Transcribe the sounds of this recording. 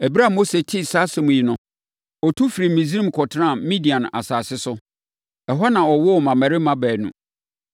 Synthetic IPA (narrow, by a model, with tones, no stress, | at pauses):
ɛ˨bi˦ɾa˦˨mo˦se˨tʰi˦sa˦sɪ˦mʊ̃˨ji˨nʊ̃˦ | ɔ˨tʰu˦fi˨ɾi˨mĩ˨zi˦ɾĩ˦m˨kʰɔ˨tʰɪ˦ɾã˦˨mĩ˦di˨ã˨ñ˨a̰˨saː˨sɪ˦sʊ˦ | ɛ˨ɦɔ˦nã˨ɔ˨wɔ˦˨mã˨mæ̃˨ɾɪ˦mã˦bæː˨nṵ̃˨